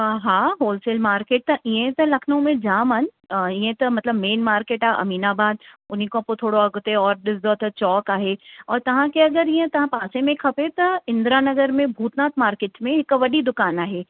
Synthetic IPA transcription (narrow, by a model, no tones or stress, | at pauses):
ɦaːɦoːlsɪlmaːɾkeːʈ̚t̪ɐʔiẽt̪ɐlɐkʰnõmẽd͡ʒaːmɦɐnɪ̆ | iẽt̪ɐmɐt̪ləbmeːnmaːɾkeːʈaːʔɐ̰miːnaːbaːd̪̚ʊnɦikoɐpot̪ʰoːɽoɐɡʊt̪eɔːɾɗɪsd̪ɔːt̪ʰɐt͡ɕɔːkaːɦeɔːɾt̪ɐʋ̤ãkeɐɡəɾijẽt̪ɐʋ̤ãpaːsemẽkʰɐpet̪ɐɪ̃nd̪ɾaːnɐɡəɾmẽbʱuːt̪naːt̪maːɾkeːʈmẽɦɪkʋɐɗid̪ʊkaːnaːɦeː